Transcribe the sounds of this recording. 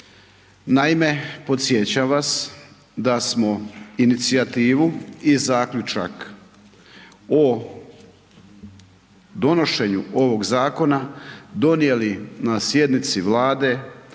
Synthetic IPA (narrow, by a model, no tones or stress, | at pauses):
naime̞po̞t̪sjet͡ɕaʋas | d̪asmo̞init̪siat̪iːʋuizaːkʎʲut͡ʃa̰k | o | d̪o̞no̞ʃe̞ɲuo̞ʋo̞ɡzaːko̞nad̪o̞nije̞linasje̞d̪nit̪siʋlaːd̪e̞